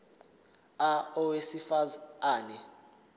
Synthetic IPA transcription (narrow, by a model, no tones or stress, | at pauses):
aɔwesifazaːnɛ